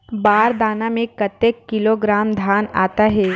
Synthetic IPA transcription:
baːɾd̪aːnamẽkɐt̪ekːɪloɡɾaːmd̪ʱaːna̰ːt̪aɦɛː

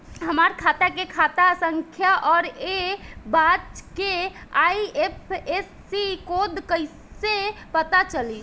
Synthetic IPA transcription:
ɦəmaɾkʰat̪akekʰat̪asəŋkʰjaʔɔːɾebat̪keaiepʰesːikod̪kəɪsepət̪at͡ʃəli

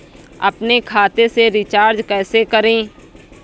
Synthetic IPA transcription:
ɐ̰pnekʰaːt̪eseɾɪt͡ʃaːɾd͡ʒkɛːsekəɾẽː

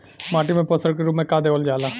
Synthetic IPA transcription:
maːʈimẽposəɾk̬iɾumẽkaːd̪eoːld͡ʒaːlaː

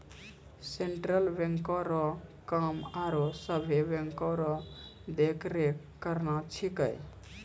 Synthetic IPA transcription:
seɳʈɾəlbeŋkɔɾɔkəmaɾosəbʱebeŋkɔɾɔ | d̪ekʰɾe | kəɾnat͡ʃʰikə̰j

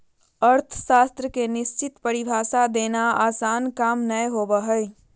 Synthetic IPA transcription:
əɾt̪ʰsaːst̪ɾəkenɪst͡ʃɪt̪pəɾibʱaːsad̪eːnaaːsaːnkaːmnəjɦoːbəɦəj

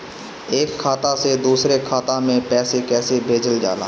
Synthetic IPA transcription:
eːkʰːaːt̪ased̪uːsɾekʰaːt̪amẽpɛːsekɛːsebʱeːd͡ʒəld͡ʒa̰ːla̰ː

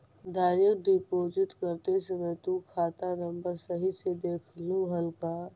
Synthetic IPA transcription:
d̪aːɾjək̚d̪ipoːd͡ʒɪt̪kəɾt̪esemɛ̃t̪ũkʰaːt̪anə̃mbəɾsɐɦised̪eːkʰluɦɐlkaː

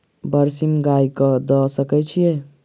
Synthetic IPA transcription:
bəɾsimɡajkəd̪ɔsəkɛt͡ʃʰije

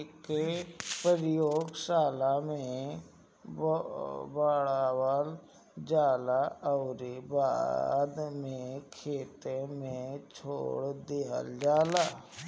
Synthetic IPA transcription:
kepəɾjoːɡsaːlamẽ | baːɽawal | d͡ʒaːlaəʊɾeba̰ːd̪mẽkʰeːt̪emẽt͡ʃʰo̰ːɽd̪eːɦə̰ld͡ʒaːlaː

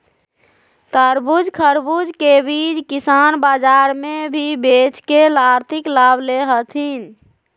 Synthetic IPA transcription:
t̪əɾbud͡ʒkʰəɾbud͡ʒkebid͡ʒkisanbad͡ʒaɾmebʱibet͡ʃkelaɾt̪ʰiklabʱleɦət̪ʰin

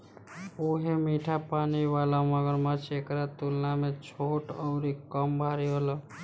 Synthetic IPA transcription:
uɦemiʈʰapaniʋalamɔɡəɾmat͡ʃʰekɾat̪ulnamet͡ʃʰoʈɔʊɾikːɔmbʱaɾiɦolɔ

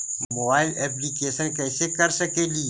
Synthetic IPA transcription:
mobaːɪlɛp̬likeːʃənkɛːsekɐɾsəkeːli

